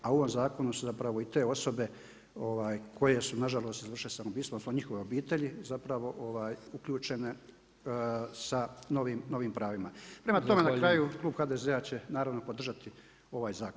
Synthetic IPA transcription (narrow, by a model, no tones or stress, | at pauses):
auoʋo̞mzaːko̞nusuzapɾaʋo̞it̪e̞ːo̞so̞be̞ | o̞ʋaːjkʰo̞je̞sunaʒalˠo̞ːst̪izr̩ʃilesanobiːst̪ʋonsoɲixo̞ʋeo̞biːt̪e̞ʎizapɾaʋo̞ʔo̞ʋaːjukʎuːt͡ʃe̞ne̞ | sano̞ʋiːmno̞ʋiːmpɾaːʋimapɾe̞mat̪o̞me̞nakɾaːjuklˠuːbxaːd̪eze̞at͡ɕe̞naːɾaʋno̞po̞d̪r̩ʒat̪i | o̞ʋaːjzaːkon